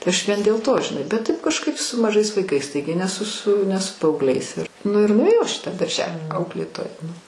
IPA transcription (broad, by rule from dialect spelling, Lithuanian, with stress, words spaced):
tɐɪ ˈɐʃ ˈʋʲiɛn dʲeːlˠ ˈtoː ʒʲɪˈnɐɪ bʲɛt ˈtɐɪp kɐʃˈkɐɪp sʊ mɐˈʒɐɪs ʋɐɪˈkɐɪs ˈtɐɪɡʲɪ nʲɛ sʊ sʊ ˈnʲɛ sʊ pɐɐʊɡˈlʲɛɪs ɪr ˈnʊ ɪr nʊeːˈjɛʊ ˈɐʃ iː ˈtɑː dɐrʲˈʒʲæːlʲiː ˈɐʊklʲeːtoːjɛ